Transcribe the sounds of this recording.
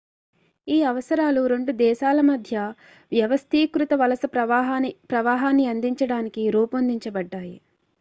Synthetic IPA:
iːɐʋɐsɐɾaːluɾe̞ɳɖud̪ɛːʃaːlɐmɐd̪ʱjɐ | ʋjɐʋɐst̪ʰiːkɾut̪ɐʋɐlɐsɐpɐpɾɐʋaːɦaːnːiɐnd̪iɲt͡ʃɐɽaːnikiɾuːpond̪iɲt͡ʃɐbɐɖːaːji

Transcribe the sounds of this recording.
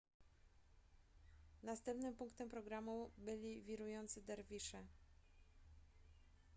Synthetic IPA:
nast̪ɛmpnɘmpuŋkt̪ɛmpɾɔɡɾamubɘlʲivʲiɾujɔnt̪sɘd̪ɛɾvʲiʂɛ

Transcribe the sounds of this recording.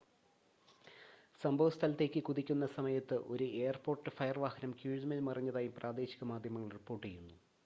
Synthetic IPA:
sɐmbʱɐʋɐst̪ʰɐlɐt̪ːe̞ːkʲːɨkuðikʲːun̪ːɐsɐmɐjɐt̪ːɨʔo̞ɾue̞ːɐrpo̞ːrʈːɨfɐjɐrʋaːhɐnɐmkjuːɻðmɐlmɐrɐɲːɐðaːjumprʔaːd̪e̞ːɕi̥ɣɐmaːd̪ʱjɐmɐŋːɐɭripːo̞ːrʈːijɾunːu

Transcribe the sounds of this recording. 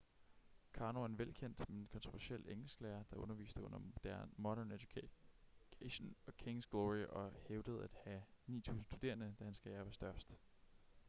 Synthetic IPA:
kʰɑ̈ːnoenʋelkʰen̰d̥meenkʰɒ̽nt͡sʰʁoʋæɐsel̰eŋl̩sɡ̥əlæːɐd̥ɑ̈ʔɔ̽nɐʋḭːsd̥əɔ̽n̰ɐd̥æmɒ̽d̥æɐned̥ju̥kʰ | kʰeɕonɒ̽kʰeŋsɡ̥lɔʁiʔɒ̽heʊd̥əð̞̩ˠæd̥hænḭːt͡sʰṵːsn̩stu̥d̥e̝̰ːɐnəd̥æhænsɡ̥ɛɐʋæsd̥ɶɐsd̥

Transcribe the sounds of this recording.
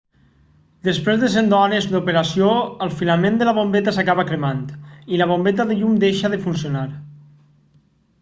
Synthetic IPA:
d̪əspɾezðəs̬end̪ɔnezd̪upeɾasioəlˠfilamend̪əlaβ̞ombet̪asakaβakɾemant̪ilaβombet̪̬aðeʎumd̪eʃaðəfunsionaɾ

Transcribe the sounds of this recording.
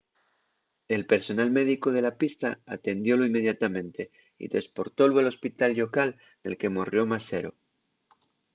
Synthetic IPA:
e̞lpe̞ɾso̞nalme̞ðiko̞ð̞e̞lapist̪aat̪e̞nd̪jo̞loimːe̞ð̞jat̪amẽ̞nt̪e̞ | ḭt̪ɾespo̞ɾt̪o̞lwualo̞spit̪alʎo̞kal | ne̞lke̞morjo̞mase̞ɾo̞̰

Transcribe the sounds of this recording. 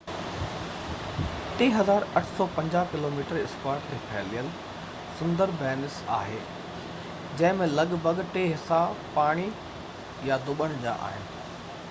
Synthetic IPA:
ʈeːɦɐzaːɾɐʈʰsɔːpɐ̃ɲd͡ʑaːkɪloːmiːʈəɾɪskwaːɾʈt̪ʰeːpʰɛːlijəl | sʊ̃nd̪əɾbɛːnɪsa̰ːɦḛː | d͡ʑɐ̃ɦɪ̃mẽlɐɠbʱəɠʈeːɦɪsapaːɽ̃i | jad̪ʊɓəɽ̃d͡ʑa̰ːʔa̰ːɦɪnɪ̆

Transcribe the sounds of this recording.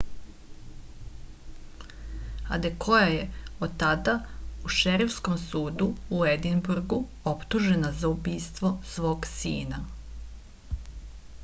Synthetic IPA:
a̰d̪ekʰo̞jajeod̪̚t̪ːad̪auʃeɾifsko̞msuːd̪uːed̪inbuɾɡu | o̞pt̪uʒe̞nazaubiːst̪ʋo̞sʋo̞ːɡsḭːna

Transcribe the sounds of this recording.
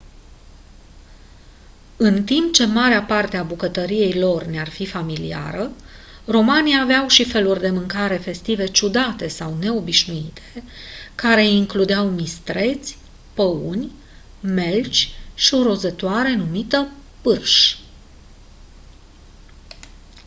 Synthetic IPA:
ɨnt̪impt͡ʃe̞maɾeapart̪eabukət̪əɾije̞jlo̞rnearfifamilḭa̰ɾəro̞maniːveawʃife̞lurʲd̪e̞mɨŋkaɾe̞fe̞st̪ive̞t͡ʃud̪at̪e̞sawne̞o̞biʃnuit̪ʰe̥kaɾe̞iŋklud̪eawmist̪ɾe̞t̪sʲ | pəunʲ | me̞lt͡ʃʲʃioɾo̞zət̪oaɾe̞numit̪əpɨrʃ

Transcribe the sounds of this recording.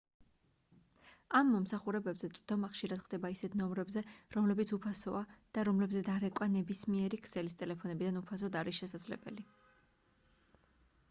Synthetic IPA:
amːɔmsaχuɾɛbɛbzɛt̪sʼvd̪̥ɔmaχʃiɾad̪̥χd̪ɛbaisɛt̪ʰnɔmɾɛbzɛɾɔmlɛbit̪supʰasɔad̪̥aɾɔmlɛbzɛd̪aɾɛkʼwanɛbismiɛɾikʰsɛlist̪ʼɛlɛpʰɔnɛbid̪anupʰas̬ɔd̪aɾisʃɛsad̪zlɛ̰bɛ̰li

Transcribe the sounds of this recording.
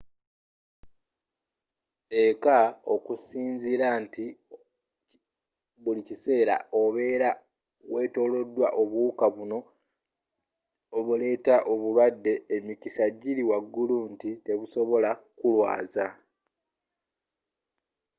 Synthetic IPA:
ekao̞kusiːɲziɾanti | βulicise̞ːɾa̰o̞βe̞ːɾa | we̞to̞ːlo̞dːwa̰ʔo̞βukaβuno̞ | βule̞ːtaʔo̞βulwadːe̞ːmikisaɟiliwaɡːuluntite̞βuso̞βo̞lakulwa̰ːza

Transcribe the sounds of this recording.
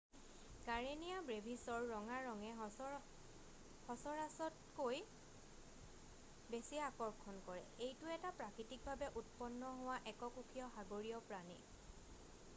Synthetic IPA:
kaɹenijabɹebʱisɔɹːɔŋaɹɔŋɛ | hɔsɔɹasɔt | koj | besiaakɔɹkʰːɔnkɔɹɛ̰ejtʊɛtapɹakɹitik̚bʱabɛʔutpɔnːɔɦʊwaʔɛkɔkukʰijɔxaɡoɹiɔpɹanḭ

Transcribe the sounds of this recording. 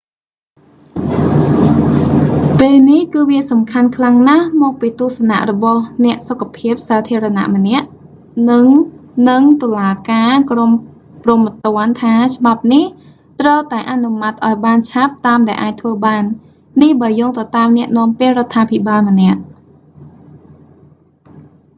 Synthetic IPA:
peːlnihkɨːʋiəsɑmkʰankʰlaŋnahmɔːk̚piːt̪uəhsana̰ʔrɔɓɑhnɛ̆əʔsokʰːapʰiəp̚saːt̪ʰiəɾɑna̰ʔmə̆nɛ̆əʔ | nɨŋnɨŋt̪ŏəlaːkaːkrom | promət̪ŏənt̪ʰaːt͡ɕ̆ʰɓap̚nih | t̪rəwt̪aɛʔanumat̪̚ʔaɔjɓaːnt͡ɕʰap̚t̪aːmɗaɛʔaːc̚t̪ʰʋəːɓaːnː | ihɓaəjoːŋt̪ɑt̪aːmnɛ̆əʔnɔ̆əmpeəʔrŏət̪ʰːaːpʰiɓaːlmə̆nɛ̆əʔ

